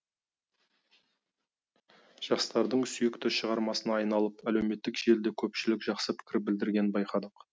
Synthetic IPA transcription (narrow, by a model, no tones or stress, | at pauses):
ʒ̥ɑqsə̥t̪ɑɾd̪əɴsʏjɪkt̪ɪʃəʁɑɾmɑsənɑːjnɑlˠəpælewme̞t̪ːɪkʒe̞ld̪ekʲʰɵpʃɪlɪkʒ̥ɑqsəpʰɪ̥kʲɪɾɪp̚bɪld̪ɪɾɡʲenɪnbɑjqɑd̪əq